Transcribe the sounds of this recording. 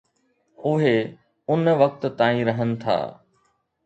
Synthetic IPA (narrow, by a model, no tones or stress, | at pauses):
ʊɦe | ʊnʋɐk̚t̪t̪aːĩɾɐɦənɪ̆t̪ʰa̰ː